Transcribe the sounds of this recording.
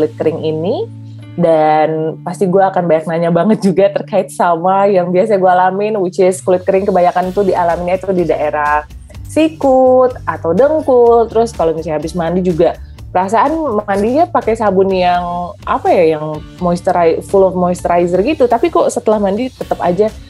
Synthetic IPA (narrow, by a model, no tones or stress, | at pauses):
kulɪt̪̚kəɾɪŋini | danpast̪iɡuaːkanbajak̚naɲabaŋət̪̚d͡ʒuɡat̪ərkaɪt̪̚samajaŋbias̬aɡuaalamɪnwut͡ʃiskulɪt̪̚kəɾɪŋkəbaɲakanit̪udialaminɲat̪ʊhdidaʔeɾah | sikʊt̪̚at̪awdəŋkʊlt̪ɾʊskalomisajhabɪsmandid͡ʒuɡa | pəɾasaʔanmandiɲapakɛsabʊnjaŋʔapajajaŋ | mɔist̪ɾajfʊlɔfmɔist̪əɾajzərɡit̪ut̪apikɔsət̪əlahmandit̪ət̪əpad͡ʒa